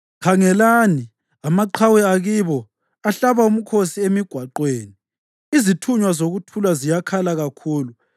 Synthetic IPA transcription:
kʰaŋɛlaːni | amaǃʰawɛaɣiβɔ | aɬaβaum̩kʰosiemiɡ̥ʱwaǃweːni | izitʰuɲwazoɣutʰulazijakʰalaɣakʰuːlu

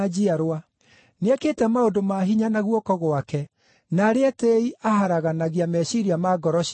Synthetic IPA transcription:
d͡ʑiaɾoa | neaketɛmaodomaɦiɲanaɣwɔkɔɣwakɛ | naɾeateiʔaɦaɾaɣanaɣiamɛɕiɾiamaɡɔɾɔɕ

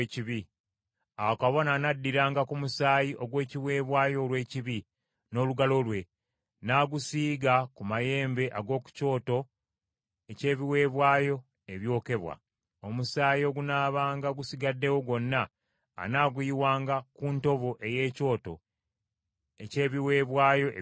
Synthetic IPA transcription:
ciβi | awakaβo̞naːnadːiɾaːŋɡakumusaːjiʔo̞ɡwe̞ːciwe̞ːβwaːjo̞lwe̞ːciβi | no̞ːluɡalo̞lwe̞ | naːɡusiːɡakumaje̞ːmbe̞ʔaɡo̞ːku̥co̞ːto̞ | ece̞ːβiwe̞ːβwaːjo̞ | eβjo̞ːke̞βwa̰ | o̞musaːjio̞ɡunaːβaːŋɡaɡusiɡadːe̞wo̞ɡo̞nːa̰ː | naːɡujiwaːŋɡakunto̞βo̞ʔe̞je̞ːco̞ːto̞̰ | ece̞ːβiwe̞ːβwaːjo̞̰

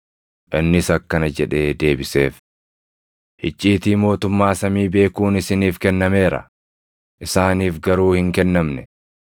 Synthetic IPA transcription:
ʔɪnːɪsɐkːɐnɐd͡ʒɛᶑe̞ːd̪e̞ːbɪse̞ːf | hɪt͡ʃʼːiːt̪iːmo̞ːt̪ʊmːaːsɐmiːbe̞ːkuːnɪsɪniːfkɛnːɐme̞ːɾɐ̰ | ʔɪsaːniːfɡɐɾuːhɪŋkɛnːɐmnɛ

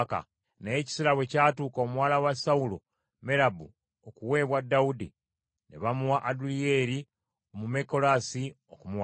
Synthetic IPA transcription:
ka̰ | nejeci̥siɾawe̞caːtuːko̞mwaːlawasaulo | me̞ɾabu | okuwe̞ːβwadːaudi | nḛβamuwaʔadulije̞ːɾi | omumeko̞lasi | okumuwa

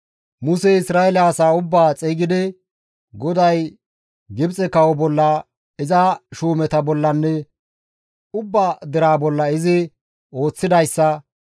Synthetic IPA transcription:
mʊsɛɪsɾaːɛlaːsaːʊbːaːt͡sʼɛːɡɪd̪ɛ | ɡɔd̪ɐj | ɡɪbt͡sʼɛkɐwɔbɔlːɐ | ɪzɐʃuːmɛt̪ɐbɔlːɐnːɛ | ʊbːad̪ɛɾaːbɔlːɐɪzɪ | o̞ːt͡sːɪd̪ɐjsːɐ

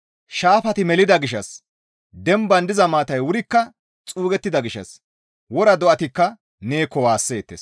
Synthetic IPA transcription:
ʃaːfɐt̪ɪmɛlɪd̪ɐɡɪʃɐ̰s | d̪ɛmbɐnd̪ɪzɐmaːt̪ɐjwʊɾɪkːɐ | t͡sʼuːɡɛt̪ːɪd̪ɐɡɪʃɐ̰s | wɔɾɐd̪ɔʔɐt̪ɪkːɐ | neːkːɔwaːsːeːt̪ːeːs

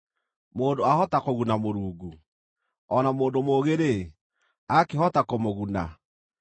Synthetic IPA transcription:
moːndoahɔtakoɣunamoɾuːɡu | ɔnamoːndomoːɣeɾe | akeɦɔtakomoɣuna

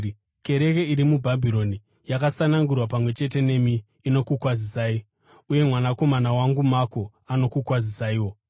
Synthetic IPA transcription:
ke̞ɾe̞ke̞iɾimubʱabʱiɾo̞ni | jakasanaŋɡurwapamwe̞t͡ʃe̞te̞ne̞miː | no̞kukwazisai | uje̞mwanako̞manawaŋɡumako̞ | ano̞kukwazisaiwo̞

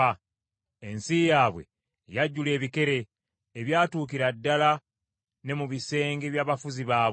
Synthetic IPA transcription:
a | ensijaːβwe̞̰ | jaɟːule̞ːβike̞ɾe̞ː | βjaːtuːkiɾadːala | ne̞muβise̞ːŋɡeβjaːβafuziβaː

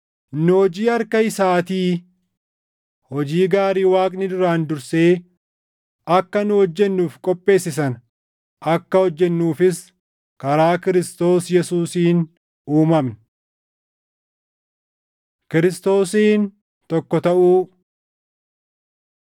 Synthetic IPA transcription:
nʊhɔd͡ʒiːɐɾkɐɪsaːt̪iː | hɔd͡ʒiːɡaːɾiːwaːkʼnɪd̪ʊɾaːnd̪ʊɾse̞ː | ɐkːɐnʊhɔd͡ʒːɛnːuːfkʼɔpʼːe̞ːsːɪs̬ɐn | ɐkːɐhɔd͡ʒːɛnːuːfɪs | kɐɾaːkɪɾɪst̪o̞ːsjɛsuːsiːn | uːmɐmnɐ | kɪɾɪst̪o̞ːsiːn | t̪ɔkːɔt̪ɐʔuː

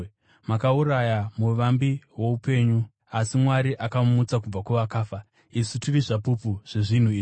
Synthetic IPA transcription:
makauɾajamuʋambiwo̞upe̞ːɲu | asimwaɾiʔakamut͡sak̬ub͡vakuʋakaːfa | isutiriʐapupuʐ̥eʐin̤uiː

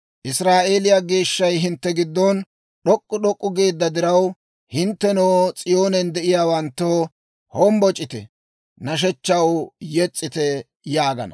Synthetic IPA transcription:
ʔɪsɾaːʔe̞ːlɪjaɡe̞ːʃːɐjɦɪnt̪ːɛɡɪd̪ːɔn | ɗɔkʼːʊɗɔkʼːʊɡe̞ːd̪ːɐd̪ɪɾɐw | hɪnt̪ːɛnoːt͡sʼɪjo̞ːnɛnd̪ɛʔɪjaːwɐnt̪ːoː | hɔmbɔt͡ʃʼɪt̪ɛ̰ | nɐʃ̬ɛt͡ʃːɐwjɛt͡sʼːɪt̪ɛ | jaːɡɐ̰nɐ̰

